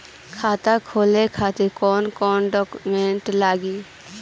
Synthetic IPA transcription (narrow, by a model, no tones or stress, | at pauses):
kʰaːt̪akʰoːlekʰaːt̪ekɔːnkɔːnɖɔːkmẽɳʈlaːɡiː